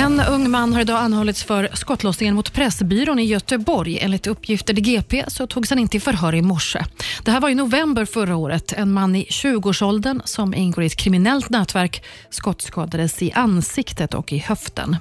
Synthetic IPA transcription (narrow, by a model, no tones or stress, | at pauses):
ɛnɵŋːmanːɦaɾɪd̪ɑːanːhɔlːɪt̪sfœɾskɔt̪ːlɔːsnɪŋənmʊt̪pʰɾɛsbyːɾoːnɪjœt̪əbɔɾjḛːnlɪt̪ɵpːjɪft̪əʈɪɡeːpʰeːsɔt̪ʰuːɡshanɪnt̪əɪfœɾɦœːɾɪmɔʂːə̰d̪̥ɛɦæːɾvaɾjʏnʊvɛmbəɾfœɾaoːɾət̪ʰɛnmanːɪɕʉ̟ːɡəoːʂɔld̪ənsɔmʔɪ̰nɡoːɾɪɛt̪̚kʰɾɪmɪnɛlt̪nɛːt̪væɾk | skɔt̪ːskɑːd̪ad̪əsɪʔansɪkt̪ət̪ʰɔ̰kɪhœft̪ʰə̰n